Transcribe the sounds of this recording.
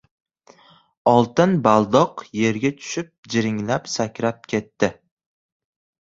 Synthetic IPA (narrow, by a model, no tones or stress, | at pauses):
ɒlˠt̪ɪnbalˠd̪ɒqje̞ɾɡʲat̪ʰʊ̥ʃɪp̚d͡ʒɪɾɪŋlapsakʲɾap̚kʲʰe̞t̪ːɪ